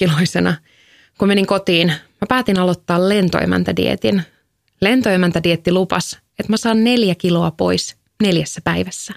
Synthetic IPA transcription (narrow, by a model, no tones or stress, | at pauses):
kiloisenɑ | kumeniŋko̞t̪iːnmæpæːt̪inɑlot̪ːɑːlle̞nt̪o̰ḛmæ̰nt̪ædḭḛt̪in | le̞nt̪oemænt̪ædiet̪ːilupɑ̰s | et̪mæsɑːnne̞ljækilo̞ɑpo̞̰is | ne̞ljæsːæpæiʋæsːæ